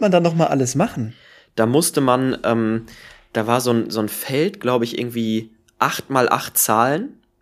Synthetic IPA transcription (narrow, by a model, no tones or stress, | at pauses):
mandanːɔχmaːlʔaləsmaχn̩ | d̥aːmʊstəmanʔɛːmd̥aːvaːɐzoːnzoːnfɛltɡ̥laʊbəɪçʔɪ̰ɐɡŋ̩tv̥iː | ʔaχtmaːlʔa̰χtt͡saːlən